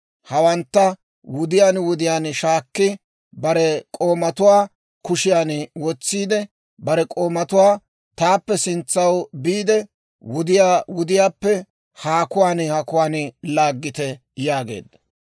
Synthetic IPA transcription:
hɐwɐnt̪ːɐ | wʊd̪ɪjaːnwʊd̪ɪjaːnʃaːkːɪ | bɐɾɛkʼo̞ːmɐt̪ʊwaː | kʊʃɪjaːnwɔt͡sːiːd̪ɛ | bɐɾɛkʼo̞ːmɐt̪ʊwaː | t̪aːpːɛsɪnt͡sːɐwbiːd̪ɛ | wʊd̪ɪjaːwʊd̪ɪjaːpːɛ | haːkʊwaːnhakʊwaːnlaːɡːɪt̪ɛ | jaːɡe̞̰ːd̪ːɐ̥

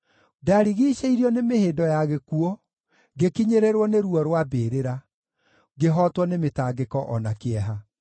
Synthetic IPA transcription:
daɾiɣiːʃeiɾjɔnemeheːndɔjaɣekuɔ | ɡekiɲeɾeɾwɔneɾuɔɾwabeːɾeɾa | ɡeɦɔtwɔnemetaːɡekɔʔɔnakeɛɦa

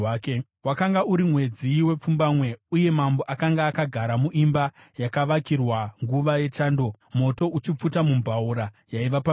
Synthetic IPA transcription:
ke | wakaŋɡauɾimwe̞d͡ziwe̞p͡fumbamwe̞uje̞mambo̞ʔakaŋɡaːkaɡʱaɾamuʔimba | jakaʋakirwaŋɡuʋaje̞t͡ʃaːndo̞ | mo̞to̞ʔut͡ʃip͡futamumbʱauɾa | jaiʋapa

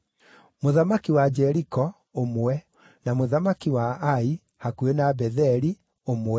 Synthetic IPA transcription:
moðamakiwad͡ʒɛɾikɔ | omwɛ | namoðamakiwaai | hakuenabɛðɛɾi | omoɛ

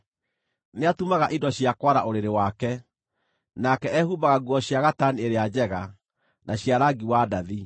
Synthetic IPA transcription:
neatumaɣaʔidɔɕjakwaɾa̰ʔoɾeɾewakɛ | nakɛɛhubaɣaɡwɔɕjaɣatanieɾead͡ʑɛɣa | nʔaɕjaɾaɡiwadaði

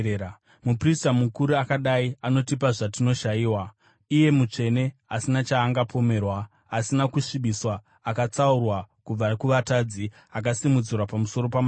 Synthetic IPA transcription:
mupristamukuɾuakaɗaiano̞tipaʐatino̞ʃajiːwa | ije̞mut͡ʂe̞ne̞asinat͡ʃaːŋɡapʰo̞me̞ːrwaː | sinakuʂiɓiswaː | kat͡saurwakub͡vakuʋataːd͡zi | ak̬asimud͡zirwapamuso̞ɾo̞pama

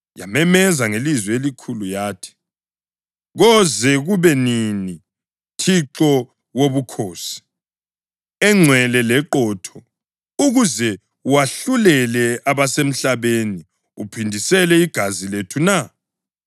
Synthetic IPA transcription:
ja̰mɛmɛzaŋelizwɛelikʰulujaːtʰi̥ | ɣɔzɛɣuβɛnini | tʰiǁɔ | woβukʰoːsi̥ | ɛŋ͡ǀʱwɛlɛlɛǃɔːtʰɔ | uɣuzɛ | waɬulɛlɛaβasem̩ɬaβeni | upʰindʱisɛlɛiɡ̥ʱaziletʰuna

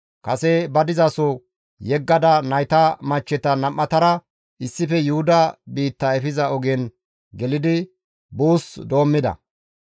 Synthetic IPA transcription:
kɐsɛbɐd̪ɪzɐsɔ | jɛɡːɐd̪ɐnɐjt̪ɐmɐt͡ʃːɛt̪ɐnɐmːɐt̪ɐɾɐ | ʔɪsːɪfɛjʊhʊd̪ɐbiːt̪ːɐɛfɪzɐɔɡɛn | ɡɛlɪd̪ɪ | buːsd̪o̞ːmːɪd̪ɐ̰

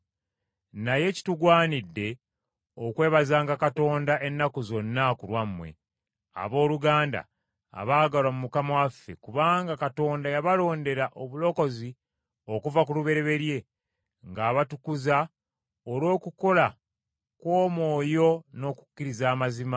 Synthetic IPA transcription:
naje̞ci̥tuɡwaːnidːe̞ | o̞kwe̞ːβazaːŋɡakato̞ːndaʔe̞nːakuzo̞nːakulwamːwe̞̰ | a̰βo̞ːluɡaːnda̰ː | βaːɡalwamumukamwafːe̞kuβaːŋɡakato̞ːndajaβalo̞ːnde̞ɾaʔo̞βulo̞ko̞zi | o̞kuvakuluβe̞ɾe̞βe̞ɾje̞ | ŋɡaːβatukuza | olwo̞ːkuko̞la | kwo̞ːmwo̞ːjo̞no̞ːku̥kːiɾizaːmazima

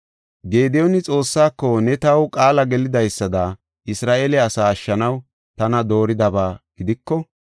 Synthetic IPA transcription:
ɡe̞ːd̪ɛjɔnɪt͡sʼo̞ːsːaːkːɔnɛt̪ɐwkʼaːlɐɡɛlɪd̪ɐjsːɐd̪ɐ | ʔɪsɾaːʔeːlɛɐsaːɐʃːɐnɐw | t̪ɐnɐd̪o̞ːɾɪd̪ɐbaːɡ̥ɪd̪ɪkːɔ

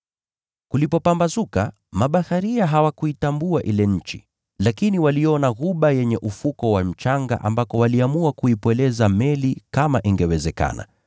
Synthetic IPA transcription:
kulipɔpambazuka̰ | maɓahaɾiaɦawakuitambuaʔilɛɲ̩t͡ʃḭ | lakiniwaliɔnaɣuɓajɛɲɛʔufukɔwam̩t͡ʃaŋɡa̰ʔa̰mbakɔwaliamuakuipwɛlɛzamɛlikamaʔiŋɡɛwɛzɛka̰na̰

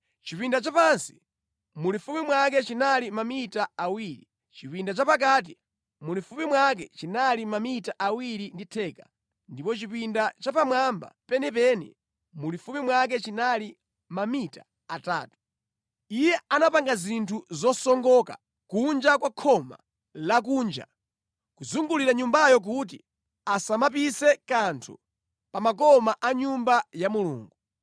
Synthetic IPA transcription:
t͡ʃipindat͡ʃapansi̥ | mulifumimwak̬ɛt͡ʃinalimamitaːwiɾi | t͡ʃipindat͡ʃapak̬at̬i | mulifupimwak̬ɛt͡ʃinalimamitaʔawiɾinditʰɛːka | ndipɔt͡ʃipindat͡ʃapamwamba̰pɛnɛpɛnḭ | mulifumimwak̬ɛt͡ʃinali | mamita | ata̰ːtu̥ | ijɛanapaŋɡazintʰuzɔsɔŋɡɔka̰ | kund͡ʒakwakʰɔma̰ | lak̬uːnd͡ʒa̰ | kuzuŋɡuliɾaɲumbajɔk̬ut̬i | asamapisɛkantʰṵ | pamak̬ɔmaʔaɲumbajamulṵːŋɡu

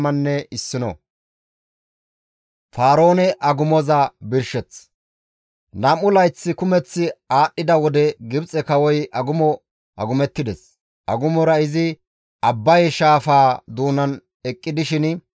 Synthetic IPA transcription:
mɐnːɛɪsːɪnɔ̰ | faːɾo̞ːnɛʔɐɡʊmɔzɐbɪɾʃɛt͡s | nɐmʊlɐjt͡sːɪkʊmɛt͡sːɪaːɗːɪd̪ɐwɔd̪ɛɡɪbt͡sʼɛkɐwɔjʔɐɡʊmɔ | ʔɐ̰ɡʊmɛt̪ːɪd̪ɛs | ʔɐ̰ɡʊmɔɾɐɪzɪ | ʔɐbːɐjʃaːfaːd̪uːnɐn | ɛkʼːɪd̪ɪʃɪn

